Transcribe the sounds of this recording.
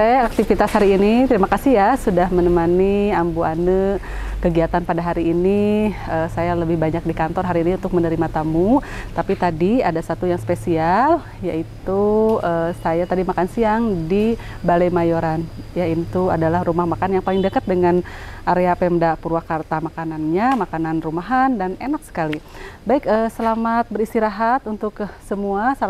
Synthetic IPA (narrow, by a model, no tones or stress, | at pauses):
ɛak̚t̪ifit̪ashaɾiːnit̪əɾimakasɪhjasudahmənəmaniambuanə | kəɡiat̪anpadaɦaɾiːniəsajaləbɪhbaɲak̚dikant̪ɔrɦaɾiːniunt̪ʊk̚mənəɾimat̪amut̪apit̪adiadasat̪ujaŋspesial | jaʔit̪uəsajat̪adimakansiaŋdi | baləjmajoɾanjaint̪uadalahɾumahmakananjaŋpalɪŋdəkat̪̚dəŋanʔaɾeapɛmdapuɾuakart̪amakananɲamakananrumaɦandanenak̚sə̥kalibaɪkəsəlamat̪̚bəɾist̪iɾaɦat̪unt̪ʊksəmuasa